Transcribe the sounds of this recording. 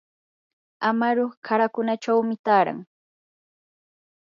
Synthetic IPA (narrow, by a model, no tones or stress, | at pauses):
amaɾoχkʰaɾakʊnat͡ʃawmɪt̪aːɾa̰ŋ